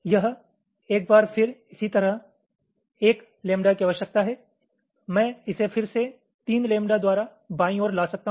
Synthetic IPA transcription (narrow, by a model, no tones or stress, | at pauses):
jɐɦ | eːk̚baːɾfʰɪɾɪsit̪ɐɾəɦ | eːk | lẽːmɖakiɐʋəʃək̚t̪aɦɛ | mɛ̃ːɪsefɪɾse | t̪iːnlẽːmɖad̪waːɾa | baːĩoːɾlaːsɐk̚t̪aɦ